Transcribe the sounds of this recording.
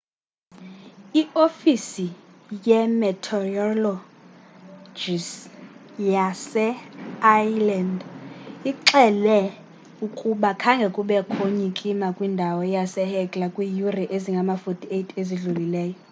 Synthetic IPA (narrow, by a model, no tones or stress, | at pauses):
iofisijɛmɛtʰɔrɔlɔ | d͡ʒis | jasɛajlɛndiǁɛlɛ | ukʼuɓakʰaŋɡʱɛkʼuɓɛkʰoɲikʼimakʼwindʱawɔjasɛhɛkʼlakʼwijuriʔeziŋɡʱamafotʰʼietʰʼeziɮulilɛːjɔ